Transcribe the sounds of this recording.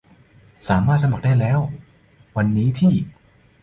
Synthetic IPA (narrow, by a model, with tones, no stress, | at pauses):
saː˩˦maː˥˩t̪̚sa˧ma˨˩k̚da˥˩jlɛː˦˥w | wa˧nːiː˦˥t̪ʰiː˥˩